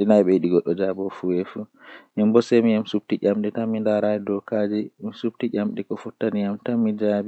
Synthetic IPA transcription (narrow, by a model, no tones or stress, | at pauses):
ɗinajɓɛjiɗiɡɔɗːɔd͡ʒabɔfuɛfuʔɛmbɔsɛmijamsub̚tiʔʲamɗɛtamːindaɾaɛdɔkad͡ʒɛmisup̚tiɟʲamɗɛkɔfutːanijamtamːid͡ʒabi